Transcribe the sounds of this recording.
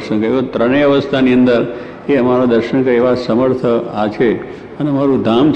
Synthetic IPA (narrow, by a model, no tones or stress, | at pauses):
ʃəŋkəeʋot̪ɾəɳ̃eəʋəst̪ʰaniənd̪əɾ | eəmaɾad̪əɾʃəŋkəeʋasəməɾt̪ʰəat͡ʃʰe | ənemaɾũd̪ʱamt͡ʃ